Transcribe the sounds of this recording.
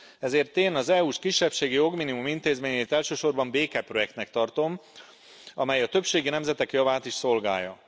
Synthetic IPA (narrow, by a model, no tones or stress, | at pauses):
ɛzeːrt̪eːnɒzɛuːʃkiʃːɛpʃeːɡijo̞ɡminimumint̪eːzmeːɲeːt̪ɛlʃøːʃo̞rbɒmbeːkɛpro̞jɛk̚t̪nɛkt̪ɒrt̪o̞m | ɒmɛjɒt̪ø̞pʃeːɡinɛmzɛt̪ɛkjɒvaːt̪iʃso̞lɡa̰ːjːɒ